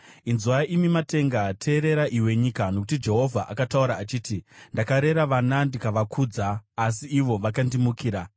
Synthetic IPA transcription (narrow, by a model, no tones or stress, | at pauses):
inzuaaʔimimate̞ŋɡatʰe̞ːɾe̞ɾaʔiwe̞ɲikano̞kutid͡ʒe̞ɦo̞vʱaʔakatauɾaːt͡ʃiːtindakaɾe̞ɾaʋanandikaʋakʰud͡zaːs̬iːʋo̞ʋakandimukiːɾa